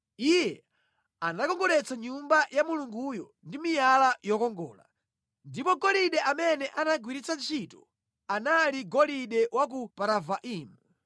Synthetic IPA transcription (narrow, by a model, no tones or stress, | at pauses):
ijɛ | anakɔŋɡɔɾɛt͡saɲumbajamuluŋɡujɔ | ndimijalajɔkɔŋɡɔ̰ːla̰ | ndipɔɡɔliɗɛʔamɛnɛʔanaɡwiɾit͡sant͡ʃʰitɔ | analiɡɔliɗɛwak̬upaɾavaʔiːmu